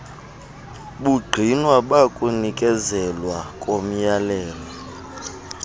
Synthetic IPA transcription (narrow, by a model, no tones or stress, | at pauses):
ɓuɡ͡ǃʱinwaɓakʼunikʼɛzɛlwakʼom̩jalɛːlɔ